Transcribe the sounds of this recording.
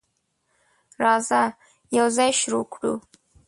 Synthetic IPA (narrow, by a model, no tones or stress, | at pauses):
raːza | jawzajʃɾukʷʰʈʼṵ